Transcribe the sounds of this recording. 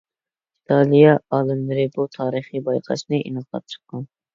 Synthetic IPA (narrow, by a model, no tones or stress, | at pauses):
it̪ʰɑlˠijɑɑːlˠɨmlɨɾɪbut̪ʰɑːɾɨχibɑjqʰɑ̰ʃnɨʔḭnɨqʰɑ̰t̪̚t͡ʃʰə̥qʰːɑn